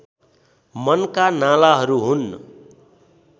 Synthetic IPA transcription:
mʌnkanalaɦʌɾuɦun

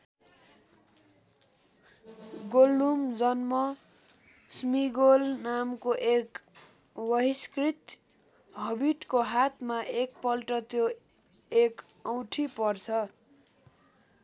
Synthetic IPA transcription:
ɡolːumd͡zʌnmʌ | smiɡolnamkoʔek | wʌɦiskrit̪ | ɦʌbiʈkoɦat̪ʰmaʔekpʌlʈʌt̪jo | ek | ʌw̃ʈʰipʌrt͡sʰʌ

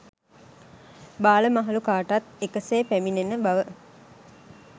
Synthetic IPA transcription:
baːləmaɦalukaːʈat̪ekəseːpæminenəbaʋə

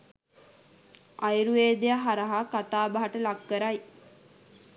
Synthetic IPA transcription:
ajɾueːd̪ejaɦaɾəɦakat̪aːbaɦaʈəlakːəɾaj

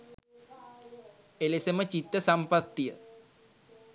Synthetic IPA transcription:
elesemət͡ɕit̪ːəsampat̪ːijə̰

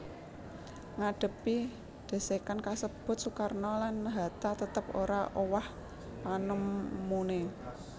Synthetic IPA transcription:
ŋaɖ̥ə̤pi | d̪̥a̤sekankasəb̥ʊ̤t̪̚sukarnɔlanɦat̪at̪ət̪əp̚oɾaʔowah | panəmːune

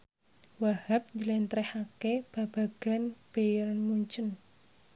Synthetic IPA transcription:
wahap̚ɲd͡ʒəlɛnt̪ɾɛhakeb̥a̤b̥a̤ɡ̥a̤nb̥ejɾanmuɲt͡ʃən

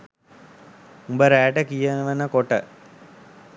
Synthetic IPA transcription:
umbəɾæːʈəkijənəʋənəkoʈə

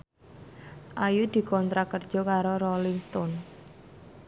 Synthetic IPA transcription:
ʔajud̪̥i̤kɔnt̪ɾakərd̥ʒ̥ɔ̤kaɾoɾɔlɪŋst̪ɔn

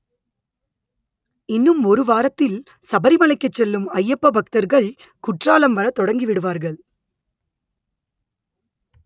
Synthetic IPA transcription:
ɪnːɯmɔɾɯʋaːɾɐt̪ːɪl | sɐbɐɾɪmɐɭɐɪkːɐt͡ʃːɛlːɯmɐjːɐpːɐbɐk̚t̪ɐɾɣɐɭ | kʊʈraːlɐmʋɐɾɐt̪ɔɽɐŋɡiʋɪɽɯʋaːɾɣɐɭ

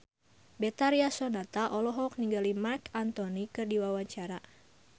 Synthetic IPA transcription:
bɛt̪aɾiasɔnat̪aʔɔlɔɦɔk̚niŋɡalimarkant̪ɔnikɨrdiwawaɲt͡ʃaɾa

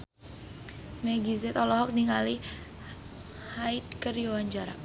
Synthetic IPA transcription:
mɛɡizɛt̪ɔlɔɦɔk̚niŋali | hajt̪kərjowaɲd͡ʒaɾa̰ʔ

